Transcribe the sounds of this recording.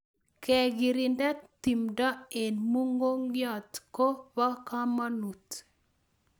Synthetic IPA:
kɛ˨ɡi˨ɾi˨ndɛ˦t̪i˨mdɔ˦e˨nmu˦ŋɡo˦ŋjɔ˦˨t̪ko˦bɔ˦ka˦ma˦nu˨t̪

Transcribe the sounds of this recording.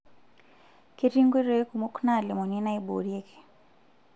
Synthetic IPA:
ke˦ɾi˦ŋɡwe˦ɾe˨˦e˦ku˨mu˦kna˦˨lɪ˨mɔ˨ni˦na˦i˦bo̰˨ɾje˦kʰe̥˨

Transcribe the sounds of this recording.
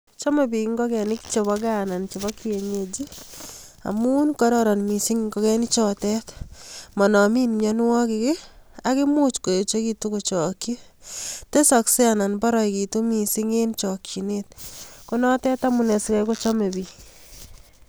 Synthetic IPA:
t͡ʃɔ˦me˨bi˨˦ŋɡɔ˦kɛ˨ni˦kt͡ʃe˨βɔ˦ɡa˦na˨nt͡ʃe˨bɔ˦ki˦e˨ɲe˨d͡ʒi˦ | a̰˨mu˦nkɔɾɔ˦ɾɔ˨nmi˨si˦ŋŋɡɔ˦kɛ˦ni˦t͡ʃɔ˨tɛ˦tmɔ˨nɔ˨mi˦nmɲɔ˦n˦wɔ˦kɪkɪ˦a˨kɪ˦mu˦t͡ʃko˨je˨t͡ʃo˦ki˧tu˦ko˨t͡ʃɔː˨ki˦te˦sɔ˨kse˦ana˨nbɔ˦ɾɔ˦iki˨tu˦mi˨si˦ŋe˦nt͡ʃɔ˨kji˨net̚ko˦nɔ˦tɛ˦ta˦mu˨nɛ˨sikɛ˦ko˦t͡ʃɔ˦me˨bi˨

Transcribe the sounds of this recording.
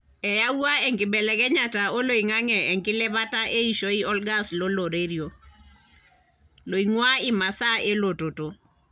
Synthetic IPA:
ɛ˨ja˦u˦a˦ɛ˨ŋkɪ˨bɛ˨lɛ˨kɛ˦ɲa˨ta˨o˦lo˨i˨ŋa˦ŋɛ˨ɛ˨ŋkɪ˦lɛ˦βa˦ta˦ʔe˦i˨ʃo˦i˦ɔ˦lɡa˦slo˦lo˨ɾe˦ɾjo˨ | lo˨iŋwa˦ɪ˨ma˨sa˦e˦lo˨to˨to˨

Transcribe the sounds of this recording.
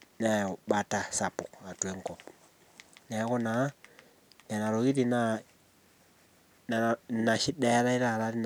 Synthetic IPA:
na˨ɔ˨ɓa˨ta˨sa˨pu˨ka˨tu˨ɛ˦ŋ˦kɔ˨p̚ | nɛ˨˦kɔ˦na˨˦ | nɛ˨na˨ɾo˨ɣi˦ɾi˨na˦ | n˨na˨ʃi˦dɛ˦ɾa˦i˦ɾa˦˨ɾa˦ɾi˦n˨

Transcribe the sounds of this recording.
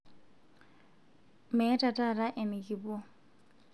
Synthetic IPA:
mɛ˨˦tʼa˨tʼa˦˨ra˦ʔɪ˨mɪ˨kʼi˨bʊ˦

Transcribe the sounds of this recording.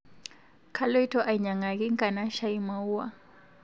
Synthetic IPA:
kʰa˦lɔ˦i˦tɔ˦ʔa˨i˨ɲa˨ŋa˨ɣi˦ŋ̩˦kʼa˨na˦ʃa˦i˦ma˨u˦wa̰˦

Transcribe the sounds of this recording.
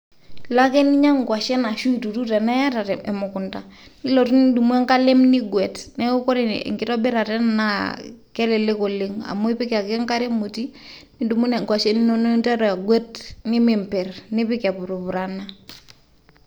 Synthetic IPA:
la˦ke˦ni˦ɲa˦ŋɡa˨ʃɛ˦na˨ʃu˦i˨tu˨tu˦ta˨na˦ja˦ta˨tɛ˨ɛ˨mu˨ku˨nta̰˨ni˦lo˨tu˦ni˦du˨mu˦e˦ŋka˦le˦mni˦ɡwɛ˨tnɛ˦u˦kɔ˦ɾḛ˨ŋɡi˦to˦be˦ɾa˨tɛ˦nna˦kɛ˦le˨le˦ko˨le˦ŋa̰˨mo˦i˦pi˦ka˨ke˦ŋka˦ɾe˦mu˨ti˦ni˦du˨mu˦ne˨ŋɡwa˨ʃɛ˦ni˦no˦no˦nta˦ɾa˨ɡwɛ˦tni˦mi˨mpɛ˨rni˦pi˦ka˨pu˨ɾu˨pu˨ɾa˨nːa˦

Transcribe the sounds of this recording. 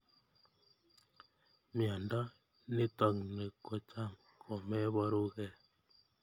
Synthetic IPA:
mja˨nda˦ | ne˦tɔ˨ŋne˨ko˨t͡ʃa˦˨m | ko˨mɛ˦βɔ˦ɾu˦ɣɛ˦˨

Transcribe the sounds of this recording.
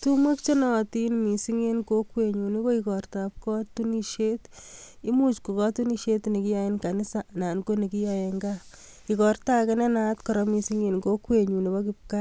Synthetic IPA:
tu˦mwe˦kt͡ʃe˦nɔ˨ti˦nmi˨siŋe˦nko˦kwe˨ɲu˨ni˦ko˦ikɔrtap̚kɔ˦tu˦niʃeti˦mu˦t͡ʃku˨kɔ˦tu˦ni˦ʃe˦tne˨ki˦ja˦je˦nka˨ni˦sana˨nko˦ni˨ki˦jajeŋɡa | i˨kɔ˨rta˦kɛnɛ˦na˦tkɔ˨ɾɔmi˨si˦ŋe˨nko˦kwe˨ɲu˨ni˨bɔ˦k̬ip̚ka

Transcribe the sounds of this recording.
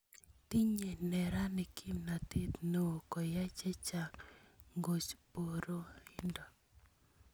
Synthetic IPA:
ti˦ɲe˨nɛ˨ɾa˦nɪ˨kʰi˦mna˨t̪e˦t̪no˦o˨kɔ˨ja˦t͡ʃɛ˦t͡ʃa˨kŋɡo˨t͡ʃpo˨ɾo˦i˦ndɔ˨

